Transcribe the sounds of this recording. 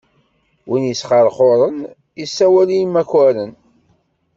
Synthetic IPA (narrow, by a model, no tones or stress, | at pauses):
winjəsχəɾˤχoɾˤən | isːæwælijmːækːæɾən